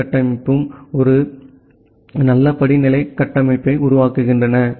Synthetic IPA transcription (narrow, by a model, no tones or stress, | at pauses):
ɐʈːɐmɪpːɯmɔɾɯ | nɐlːɐpɐɽɪnɪlɐɪkːɐʈːɐmɐɪpːɐɪʊɾʊʋaːkɯɣɪndrɐnɐ